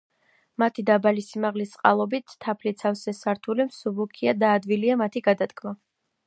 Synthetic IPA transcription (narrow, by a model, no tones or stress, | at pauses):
mat̪ʰid̪abalisimaʁlist̪sʼqʼa̰lˠɔbit̪ʰːapʰlit̪sʰafsɛsaɾt̪ʰulimsubukʰiad̪aːd̪viliamat̪ʰiɡad̪at̪kʼʰma